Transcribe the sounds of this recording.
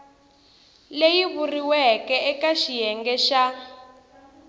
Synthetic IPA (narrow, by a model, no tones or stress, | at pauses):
lejiβuriwɛkɛɛkaʃijɛŋɡɛʃa